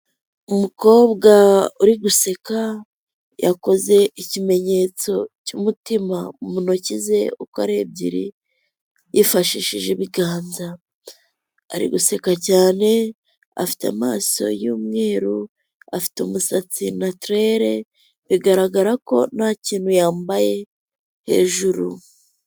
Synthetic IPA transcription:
umuko̞ːβɡauɾiɡuse̞ka | jako̞ze̞icime̞ɲe̞ːt͡so̞cumutimaumunocize̞okaɾeb̚ɟḭɾḭ | jifaʃiʃiʒeβiɡaːnza | ɾḭɡuse̞kacaːne̞ | a̰fi̥tamaːso̞̰juːmŋe̞ːɾu | afi̥tumusat͡sinatɾe̞ɾe̞ | βiɡaɾaɡaɾako̞̰nhaːciːnhujaːmbaje̞ | he̞̰ːʒuɾu

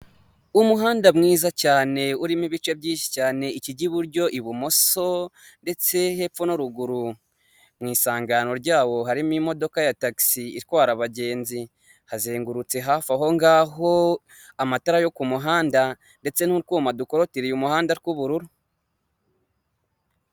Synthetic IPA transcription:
umuɦaːndamŋiːzacaːne̞uɾimiβit͡ʃe̞bɟiːnʃi̥caːne̞iciɟiβuɾɟo̞ʔiβumo̞so | nde̞t͡se̞he̞p̪p͡fonuɾuɡuɾu | mŋiːsaːŋɡano̞ɾɟaːwo̞ɦaɾimimo̞do̞kajataki̥siːɾkwaːɾaβaɟe̞ːnzi | hazeːŋɡuɾut͡se̞ɦafaɦo̞ŋɡaːɦo̞ | amataɾajo̞kumuɦaːnda | nde̞t͡se̞nuɾkoːmadukoɾo̞tiɾijumuhaːndaɾikuβuɾuɾu

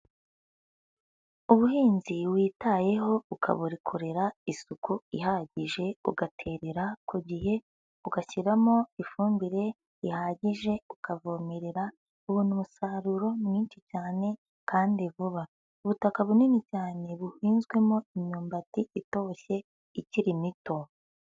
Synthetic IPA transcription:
uβuɦiːnziβwiːtaje̞ɦo̞ukʰa̰βuɾikʰoɾe̞ɾaisukuihaɟiʒe̞ṵɡatʰe̞ːɾe̞ɾakʰuɟiɦe̞ | uɡaçiɾamo̞ifuːmbiɾe̞ | ihaɟiʒe̞ukavo̞me̞ɾe̞ɾa | uβuːnumusaɾuɾo̞mŋiːnʃit͡ʃaːne̞ | kaːndiβuβa | uβutakaβuninicaːne̞βuhiːnzɡwe̞mo̞imɲuːmbatiito̞çe̞ | iciɾimito̞

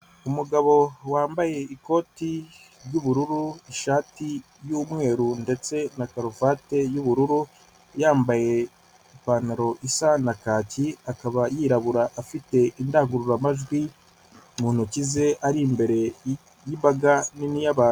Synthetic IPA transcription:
umuɡaβo̞waːmbaje̞iko̞ːti | ɾɟuβuɾuɾuiʃaːti | juːmŋe̞ːɾunde̞t͡se̞nakaɾufaːte̞juβuɾuɾu | jaːmbaje̞ | ipaːnaɾo̞ʔisanakaːciakaβajiɾaβuɾaʔːfite̞ʔindaːŋɡuɾuɾamaʒɡwi | muːn̥hucize̞ʔaɾimbe̞ɾe̞ | jimbaɡaninijaβaːnu

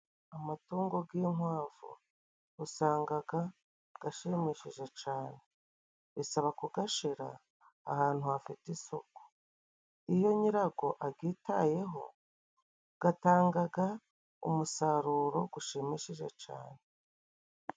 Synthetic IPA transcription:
amatuːŋɡo̞ɡiːŋwaːɱvṵ | usaːŋɡaɡa | ɡ̥aʃimiʃiʒe̞t͡ʃaːne̞ | βisaβakuɡaʃiɾa̰ː | haːn̥huafitisoku̥ | ijo̞ɲiɾaɡo̞ʔaɡiːtaje̞ɦo̞̰ | ɡ̥ataːŋɡaɡa | ṵmusaɾuɾo̞ɡuʃimiʃiʒe̞t͡ʃa̰ːne

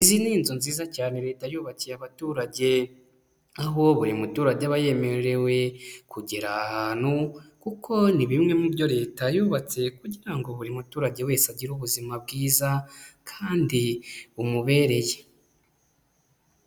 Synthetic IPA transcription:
iziniːnzonziːzacaːne̞ɾe̞ːtajuːβacijaβatuːɾaɟe̞ | aɦo̞βuɾimutuːɾaɟeβaje̞me̞ɾɾe̞we̞kuɟeɾaːhaːn̥hukukʰo̞niβimŋe̞mubɟo̞ɾe̞ːtajuːβat͡se̞kuɟiɾaŋɡo̞βuɾimutuːɾaɟe̞we̞ːsaɟiɾuβuzimab̚ɡiːzakʰaːndiumuβe̞ːɾe̞je

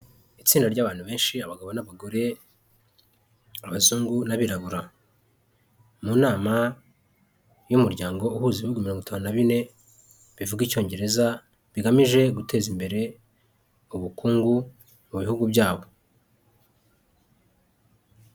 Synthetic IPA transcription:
it͡siːndaɾɟaːβaːnhuβe̞ːnʃiaβaɡaβo̞naβaɡoɾe̞ | aβazuːŋɡunaβiɾaβuɾa | muːnaːma | jumuɾɟaːŋɡo̞uhuːziβuɡumiɾo̞ŋɡitʰaːnunaβine̞ | βivuɡico̞ːɲɟe̞ɾe̞za | βiɡamiʒe̞ɡute̞ːzimbe̞ɾe̞ | uβukuːŋɡu | muβihuɡubjaːβo̞

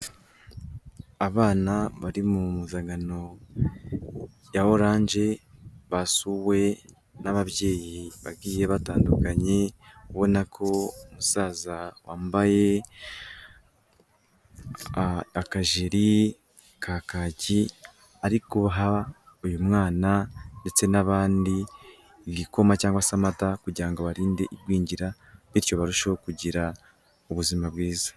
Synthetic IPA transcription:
aβaːnaβaɾimumuzaɡano̞ | jaho̞ɾaːɲʒe̞βasuːwe̞ | naβaβje̞ːjiβa̰ɡiːje̞βataːndukaɲe̞kuβo̞nakʰo̞omusaːzawaːmbaje̞ | akaʒiɾi | kʰakaɟi | aɾikuβaɦaujumŋaːnande̞t͡se̞naβaːndiː | βɡiko̞macaːŋɡwasamatakuɟiɾaŋɡoβaɾiːnde̞ʔiɾɡwiːɲɟiɾa | βiɾjo̞βaɾuʃokuɟiɾa | uβuzimabwiːzḁ

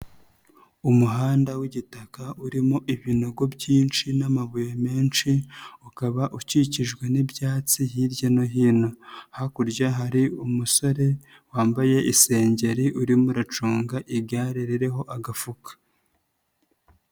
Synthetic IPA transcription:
umuɦaːndawiɟitakauɾimoʔiβino̞ɡo̞bɟiːnt͡ʃinamaβujome̞ːnʃiukaβaʔuciciʒɡwe̞nibjaːt͡sihiɾɟanoɦiːno̞hakuɾɟaɦaɾiumuso̞ɾe̞ | waːmbaje̞ʔise̞ːɲɟe̞ɾiʔuɾimuɾat͡ʃuːŋɡaʔiɡaɾiɾiɾe̞ɦo̞ʔaɡafukḁ

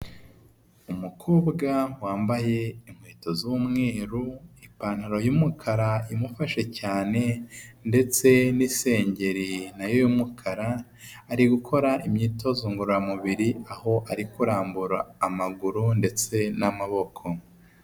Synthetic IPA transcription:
umukʰoːbɡawaːmbaje̞im̥hweːto̞zuumŋe̞ːɾuipaːn̥haɾo̞juːmukʰaɾaimufaʃe̞caːne̞nde̞t͡se̞nise̞ːɲɟe̞ɾinajojumukʰaɾaː | ɾiɡukʰo̞ɾaʔimɲiːto̞zuːŋɡuɾuɾamuβiɾiaho̞ʔaɾikuɾaːmbuɾaːmaɡuɾunde̞t͡se̞namaβo̞kʰo̞

